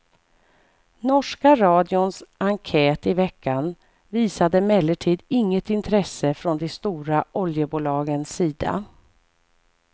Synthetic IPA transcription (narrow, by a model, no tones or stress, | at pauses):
nɔʂkaɾɑːd̪ɪʊnsʔaŋkʰɛːt̪ɪvɛkʰːan | viːsad̪əmɛlːəʈʰiːd̪ɪŋːət̪ɪnt̪ʰɾɛsəfɾɔnd̪ɛst̪uːɾaʔɔljəbuːlɑːɡənsːiːd̪a̰